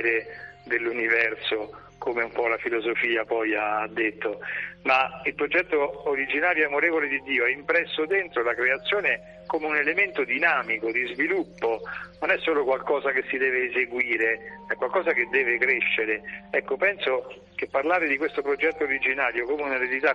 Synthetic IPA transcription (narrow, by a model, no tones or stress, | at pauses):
ɾed̪elːunivɛrso | komeumpɔlafilozofiːapɔjaad̪ːet̪ːomailpɾod͡ʒɛt̪ːoːɾid͡ʒinaːɾjoamoɾeːvoled̪id̪ːiːoɛimpɾɛsːod̪ent̪ɾolakɾeat̪sːjoːne | komeunelement̪od̪inaːmikod̪izvilupːononɛsːoːlokwalkɔːzakesːid̪ɛːveːzeɡwiːɾeɛkwalkɔːzaked̪ːɛːvekɾeʃːeɾeɛkːopɛnso | k̟epːarlaːɾed̪ikwest̪opɾod͡ʒɛt̪ːooɾid͡ʒinaːɾjokomeunaɾealit̪a